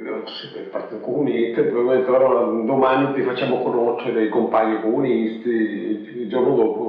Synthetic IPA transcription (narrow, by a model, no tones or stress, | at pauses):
sit̪elpart̪it̪okomunist̪epbebment̪ːelaɾɔlad̪omanit̪ifat͡ʃːamokonoʃeɾeikompaɲːikomunist̪i | d͡ʒɔkod̪ɔːpo